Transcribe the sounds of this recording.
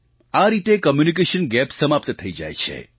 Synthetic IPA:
aɾit̪ekəmjunik̬eʃənɡɛpsəmap̚t̪t̪ʰəid͡ʒa̰jt͡ʃʰḛ

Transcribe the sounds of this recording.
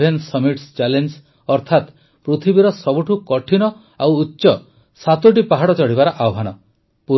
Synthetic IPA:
ensɔmiʈst͡ʃalens | ɔɾt̪ʰat̪ | pɾut̪ʰibiɾɔsɔbuʈʰukɔʈʰinɔ | awːtːʃɔ | sat̪uʈ̬ipaɦaɽɔt͡ʃɔɽibaɾɔʔaɔɦanɔ | pu

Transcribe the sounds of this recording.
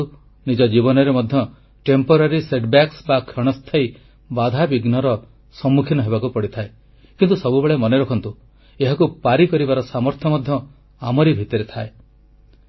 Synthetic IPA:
u | nid͡ʒɔd͡ʒibɔnɔɾemɔd̪ʱjɔ | ʈempɔɾaɾiseʈbaksbakʰɾɔɽ̃ɔst̪ʰaji | bad̪ʱabiɡnɔɾɔ | sɔmːukʰinɔɦebakupɔɽit̪ʰae | kint̪usɔbubeɭemɔneɾɔkʰɔnt̪u | eɦakupaɾikɔɾibaɾɔsamɔɾt̪ʰjɔmɔd̪ʱjɔ | amɔɾibʱit̪ɔɾet̪ʰae

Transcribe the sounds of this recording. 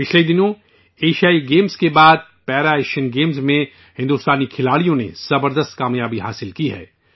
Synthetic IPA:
pɪt͡ʃled̪ɪnõ | eːʃaːiɡeːmzkebaːd̪̚ | pɛːɾaeːʃənɡeːmzmẽ | hɪ̃nd̪uːst̪aːnikʰɪlaːɽijõnḛz̥ɐbəɾd̪əst̪kaːmjaːbiɦaːsɪlkiɦɛ̰ː

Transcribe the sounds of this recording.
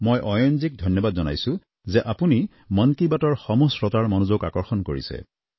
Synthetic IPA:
mojʔɔjɔnzik̚dʱɔjnjɔbadzɔna̰jsʊ̃ | zɛʔapuni | mɔnkibatɔɹxɔmosɹɔtaɹmɔnuzoka̰kɔɹxɔnkoɹḭsɛ̰

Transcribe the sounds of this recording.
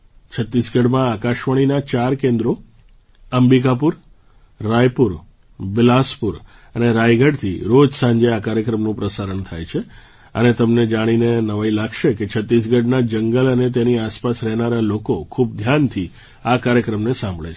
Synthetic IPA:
t͡ʃʰət̪ːisɡəɽmãakaʃʋəɽ̃inat͡ʃaɾkẽnd̪ɾo | əmbik̬apuɾː | ajpuɾ | bɪlaspuɾ | əneɾajɡʱəɽt̪ʰiɾod͡ʒsãɲd͡ʒeakaɾjəkɾəmnũpɾəsaɾəɳt̪ʰajt͡ʃʰe | ə̰net̪əmned͡ʒaɽ̃inenəʋajlaɡʃeket͡ʃʰət̪ːis̬ɡəɽnad͡ʒəŋɡələnet̪̬eniaspasɾɛɦnaɾalokokʰub̚d̪ʱjant̪ʰi | akaɾjəkɾəmnesãmbʱɭet͡ʃʰ

